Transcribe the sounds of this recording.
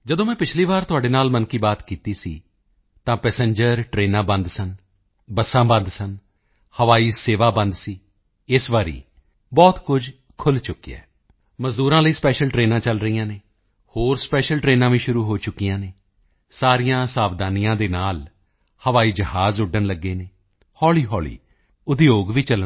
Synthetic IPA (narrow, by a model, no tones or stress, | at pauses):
d͡ʒəd̪õːmɛ̃ːpɪt͡ʃʰliːʋaːɾt̪ʊaːɖeːnaːlmənkiːbaːt̪kiːt̪iːsḭː | t̪ãːpɛːsə̃ɲd͡ʒəɾʈɾeːnãːbə̃nd̪sən | bəsãːbə̃nd̪sən | həʋaːiːseːʋaːbə̃nd̪siː | ɪsʋaːɾḭː | bɔːt̪kʊd͡ʒ | kʰʊlt͡ʃʊkːiɛ̰ː | məzd̪uːɾãːləiːspɛːʃəlʈɾeːnãːt͡ʃəlɾəiːjãːneː | hoːɾspɛːʃəlʈɾeːnãːʋĩːʃʊɾuːɦoːt͡ʃʊkːijãːneː | saːɾijãːsaːbd̪aːnɪjãːd̪eːnaːl | həʋaːiːd͡ʒəɦaːzʊɖənləɡːeːneː | hɔːliːɦɔːlḭː | ʊd̪joːɡʋiːt͡ʃələ